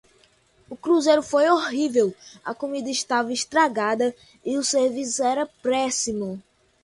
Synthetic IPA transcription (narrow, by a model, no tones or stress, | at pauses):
ʊkɾuzejɾʊfojoɦivewɐkomid̪ɐɪʃt̪avɐɪʃt̪ɾaɡad̪ɐ | ɪʊseɾvisɛɾɐpɾɛsimʊ